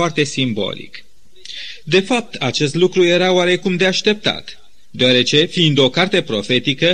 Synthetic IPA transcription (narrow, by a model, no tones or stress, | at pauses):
art̪e̞simbo̞̰lḭk | d̪e̞fap̚t̪ʰat͡ʃe̞st̪lukɾuje̞ɾaoaɾe̞kumd̪e̞aʃt̪e̞p̚t̪a̰t̪ | d̪eaɾe̞t͡ʃe̞fiːnd̪o̞kart̪e̞pɾo̞fe̞t̪ikə